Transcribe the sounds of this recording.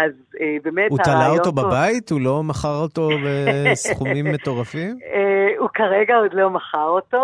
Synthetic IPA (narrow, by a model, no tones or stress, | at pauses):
az | ebemetuat̪alaooto̞babaithulo̞maχaʁoto̞besχumimːe̞to̞ʁafimeukaʁeɡaod̪lo̞maχaʁoto